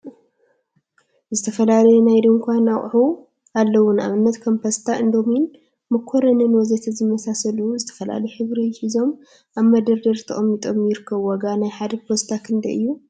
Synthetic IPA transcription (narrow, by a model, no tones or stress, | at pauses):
zɨt̪ʰɐfɐlalɐjɛnajd̪oŋkʰʷanawʼħu | ʔalːɐwʊna̰mɨnːɐt̪kʰompʰɐst̪ʰaʔɨnd̪o̞min | mɐkʰːoɾɐnɨnwɔzet̪ʰɐzɨmːɐsasɐluzɨt̪ʰɐ̥fɐla̰lɐjħɨβɾijɪħizo̞m | ʔaβmɐd̪ɐɾd̪ɐɾt̪ʰɐχʼɐmjit̪ʼomjɪɾɨkʰːɐβwɔɡanajħad̪ɐpʰost̪ʰakʰɨnd̪ɐʔɨjːu